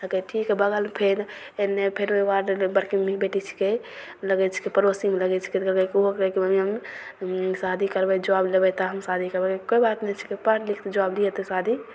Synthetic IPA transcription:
əkeʈʰikɛbəɡəlpʰeɾ | enːepʰeɾmeʋaɾbəɾkimibeʈit͡ʃʰi̥ke | ləɡɛt͡ʃʰi̥kipəɾosimeləɡɛt͡ʃʰi̥kiɡɛkiɦoɛkibəmiəm | sad̪ʱikəɾbɛd͡ʒəʋaːblebɛt̪ɔɦəmsad̪ʱikəɾbɛkekoibaːt̪nɛt͡ʃʰi̥kipəɾlikʰt̪d͡ʒəʋaːbliet̪sad̪ʱi

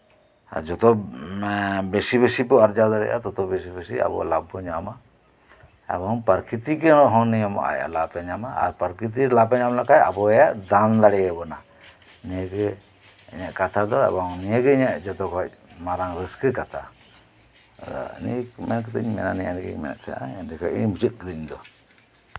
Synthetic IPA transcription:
a̰d͡ʒɔt̪ɔ | besibesipɔaɾd͡ʒad̪aɽɛ̰ʔa̰t̪ɔt̪ɔbesibesia̰bɔ̰labɔɲama | ɛ̰bɔŋpəɾkit̪ikɛɔɦɔ̃nijamɔ̰ʔa̰j̰lapɛɲamaa̰ɾpəɾkit̪̬ilapɛɲamlakaja̰bɔɛjaʔd̪and̪aɽɛjɛbɔna | nijəɡɛ | ɛɲɛʔkat̪ʰad̪ɔɛ̰bɔŋnijəɡɛɛɲɛʔd͡ʒɔt̪ɔkʰɔc̚maɾaŋɾəskəkat̪ʰa | d̪ɔ̰ɲḭmɛnkəd̪əɲmɛ̰nanɛja̰nɛɡɛ̰ɲmɛ̰nɛ̰ʔt̪ʰɛaʔa̰ɛndikʰɔiɲmut͡ʃut̪̚kəd̪əɲd̪ɔ

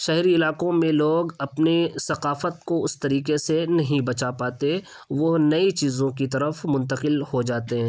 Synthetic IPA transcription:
ʃɛɦɾiɪlaːkõmẽloːɡɐpnisɐqaːfət̪̚koʊst̪ɐɾiːkesenɐɦĩbɐt͡ʃapaːt̪e | ʋonɐit͡ʃiːzõkit̪ɐɾəfmʊ̃nt̪əqɪlhod͡ʒaːt̪eɦɛ̃ː

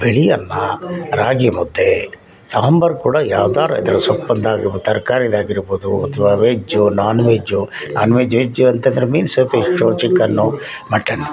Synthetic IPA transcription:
beɭijɐnːɐɾaːɡimud̪ːe | saːɦmbɐɾkuːɽɐjaːʋd̪aːɾɐ̰ḭd̪ɐɾɐsɐpːɐnd̪aːɡiɾbod̪t̪ɐɾkaːɾid̪aːɡiɾboːd̪uɐ̰t̪ʰːɐʋaːʋeːd͡ʒunaːnuʋeːd͡ʒunaːnuʋeːd͡ʒʋeːd͡ʒuɐnt̪ɐnd̪ɐɾemiːnsɐpʰiʂʈoːt͡ʃikːɐnːumɐʈːɐnːi

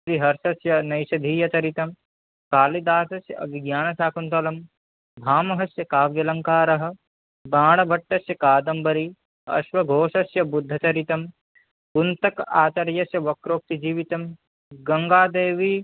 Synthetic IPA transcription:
ɾiɦɐɾʃɐsjɐnɐjʃɐd̪ʱiːjɐt͡ʃ̪ɐɾit̪ɐm | kaːlid̪aːsɐsjɐ̰ʔɐ̰biɡjaːnɐsaːkunt̪ɐlɐm | bʱaːmɐɦɐsjɐkaːʋjɐlɐŋkaːɾɐɦɐ̆ | baːɽɐbʱɐʈːɐsjɐkaːd̪ɐmbɐɾi | ɐ̰ʃʋɐɡʱoːʃɐsjɐbud̪ʱːɐt͡ʃɐɾit̪ɐm | punt̪ɐkaːt͡ʃɐɾjɐsjɐʋɐkɾoːk̚t̪id͡ʒiːʋit̪ɐm | ɡɐŋɡaːd̪eːʋi

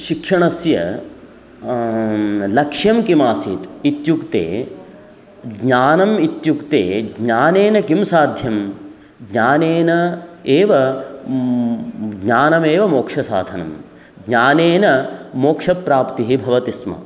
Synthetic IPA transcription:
ʃikʂɐɳɐsjɐ̰ | lɐkʂjɐmkimaːsit̪it̪jukt̪ḛː | ɡɲaːnɐmit̪jukt̪ḛːɡɲaːneːnɐkimsaːd̪ʱjɐm | ɡɲaːneːnɐeːʋɐ | ɡɲaːnɐmeːʋɐmoːkʂɐsa̰ːd̪ʱɐnɐ̰m | ɡɲaːneːnɐmoːkʂɐpɾaːpt̪iɦibʱɐʋɐt̪ismɐ̰

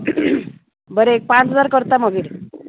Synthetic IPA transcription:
bəɾeek̚pãt͡sɦəd͡zaɾkəɾt̪aməɡiːɽ

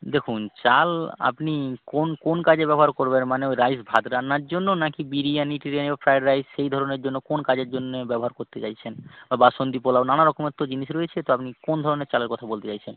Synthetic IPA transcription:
d̪ekʰunt͡ɕala̰pnikonkonkad͡ʑebɛboɦaɾkoɾbenmaneojɾajsbʱad̪ɾanːaɾd͡ʑonːonakibiɾianiʈiɾianebafɾajɖɾajsʃejd̪ʱɔɾoneɾd͡ʑonːokonkad͡ʑeɾd͡ʑonːebɛboɦaɾkoɾt̪et͡ɕajt͡ɕʰenbabaʃond̪ipolaonanaɾɔkomet̪ːod͡ʑiniʃɾojet͡ɕʰet̪oapnikond̪ʱɔɾoneɾt͡ɕaleɾkɔt̪ʰabolt̪et͡ɕajt͡ɕʰen

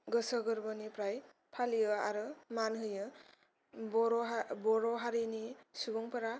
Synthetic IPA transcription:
ɡɯsəɡɯɾbɔnipɾaj | pʰalijɯaɾɯmanɦɯjɯ | bɔɾɔbɔɾɔɦaɾinisubɔŋpʰaɾa

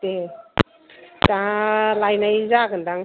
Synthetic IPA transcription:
te | kãlajnajzaɡɯndaŋ

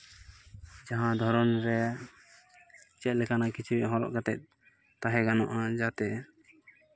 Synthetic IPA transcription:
d͡ʒaɦãd̪ʱɔɾɔnɾɛ | t͡ʃɛt̪̚lɛkanakit͡ʃʰiwɛʔɦɔ̃ɾɔ̰ʔkat̪ɛt̪̚ | t̪aɦɛɡanɔ̰ʔad͡ʒat̪ɛ

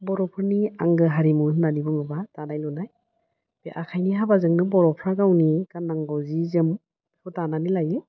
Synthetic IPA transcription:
bɔɾɔpʰɯɾniaŋɡɯɦaɾimunnanibɯŋɯbatanajlɔnaj | b̥eʔakʰajniɦabazɯŋnɯbɔɾɔpʰɾaɡawniɡanːaŋɡɔwzizɯm | hɯtananilajɯ

